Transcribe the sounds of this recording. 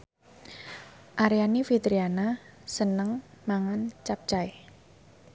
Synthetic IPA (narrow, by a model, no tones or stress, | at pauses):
ʔaɾianifit̪ɾianasənəŋmaŋant͡ʃap̚t͡ʃae